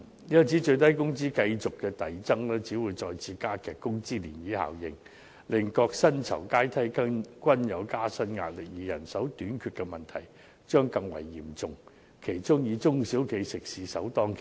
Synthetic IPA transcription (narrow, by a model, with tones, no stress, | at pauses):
jɐ˥t͡siː˨˥t͡ʃɵ˧ɥt̪̬ɐ˥jkʊ˥ŋt͡siː˥kɐ˧jt͡sʊ˨kːɛː˧t̪ɐ˨jt͡sɐ˥ŋlɛː˥t͡siː˨˥wuː˨˧jt͡sɔː˧jt͡sʰiː˨˧˥kaː˥kɛː˨˧kːʊ˥ŋt͡siː˥lḭː˨˩njiː˨˥ha̰ː˨˩wjɪ˨˧ŋ | lɪ˨ŋkɔː˧k̚sɐ˥nt͡sʰɐ̰˨˩wkaː˥jt̪ʰɐ˥jkɐ˥kʷɐ˥njɐ˨˧wkaː˥sɐ˥nŋa̰ː˧t̚lɪ˨k̚jiː˨˩jɐ̰˨˩nsɐ˨˥wt̪yː˨˥nkʰyː˧t̚kːɛ˧mɐ˨nt̪ʰɐ˨˩j | t͡ʃœː˥ŋkɐ˧ŋwɐ̰˨˩jːḭː˨˩mt͡sʊ˨ŋ | kʰe˨˩jt͡sʊ˥ŋjiː˨˧t͡sʊ˥ŋsiː˨˥wkʰe˨˧˥jsɪ˨k̚siː˨˧sɐ̰˨˥wt̪ɔː˥ŋkʰ